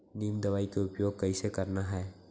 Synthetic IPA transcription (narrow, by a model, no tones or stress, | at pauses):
nimd̪ɐʋaːikeʊpjoːɡ̚kɐisekɐɾnaɦɛː